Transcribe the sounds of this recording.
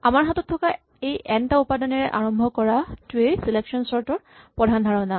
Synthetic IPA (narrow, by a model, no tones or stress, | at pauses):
amaɹɦatɔtʰːɔka | ejʔɛntaupadɔnɛɹɛʔaɹɔmbʱɔkɔɹatuejsileksɔnsɔɹtɔɹpɹɔdʱandʱaɹɔna